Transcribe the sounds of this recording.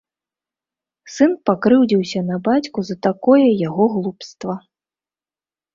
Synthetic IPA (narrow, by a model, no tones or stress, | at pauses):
sɨnpakɾɨwd͡zʲiwsʲɐnɐbat͡sʲkuzɐt̪akɔjɐjaɣɔɣlˠupst̪vɐ